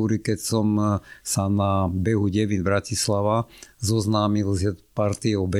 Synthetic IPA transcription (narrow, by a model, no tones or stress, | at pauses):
uɾikɛcsɔmsanabɛɦuɟɛʋinbɾacislaʋazɔznaːmilzɛpaɾt̪iɛɔbɛ